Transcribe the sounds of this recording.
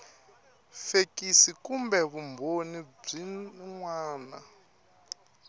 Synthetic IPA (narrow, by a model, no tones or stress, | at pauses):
fekisikumbɛβumbʱonib͡ʐiŋwaːna